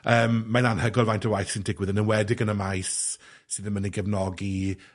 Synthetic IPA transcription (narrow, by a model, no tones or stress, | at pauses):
əːmːananhəɡɔlˠvajntʰəwajθsɪndɪɡwɪðənənwɛdɪɡənəmajs | sɨðənməniɡəvnɔɡi